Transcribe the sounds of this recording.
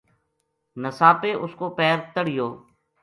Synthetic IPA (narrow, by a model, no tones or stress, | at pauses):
nəsaːpeːʔʊskoːpɛːɾt̪əɽɪjoː